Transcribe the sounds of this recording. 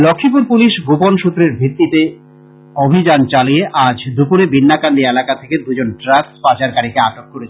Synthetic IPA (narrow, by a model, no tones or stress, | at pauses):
lokʰːipuɾpuliʃɡoponʃut̪ːɾeɾbʱɾit̪ːit̪e | obʱid͡ʑant͡ɕalieʔad͡ʑd̪upuɾebinːakand̪ielakat̪ʰeked̪ud͡ʑonʈɾasspad͡ʑaɾkaɾikeaʈokːoɾet͡ɕʰe